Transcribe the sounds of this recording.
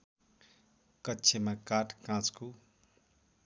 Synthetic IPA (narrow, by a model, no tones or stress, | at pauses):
kʌtːsʰemakaʈkãt͡sko